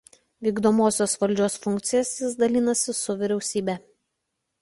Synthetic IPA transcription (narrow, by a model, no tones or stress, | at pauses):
ʋʲiːɡd̪oːmoːsʲoːsʋɐlʲd͡ʒʲoːsfʊŋʲk̚t̪sʲɪjɛsjɪsd̪ɐlʲɪːnɐsʲɪsʊʋʲɪɾʲɛʊsʲiːbʲɛː